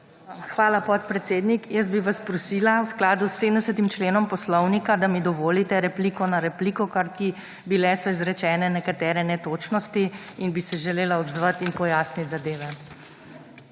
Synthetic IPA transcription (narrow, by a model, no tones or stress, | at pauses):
xʋaːlapɔt̪̚pɾɛt̪seːd̪nikjəst̪̚biʋaspɾɔsiːlawsklaːd̪usːeːmnd̪ɛsət̪imt͡ʃleːnɔmpɔslɔwnikad̪amid̪ɔʋoːlit̪ɛɾɛplikɔnaɾɛpliːkɔkaɾk̪i | bilɛsɔizɾɛt͡ʃɛːnɛnɛkat̪ɛːɾɛnɛt̪oːt͡ʃnɔst̪iinbisɛʒɛleːlaɔbzʋat̪inpɔjaːsnit̪zad̪eːʋɛ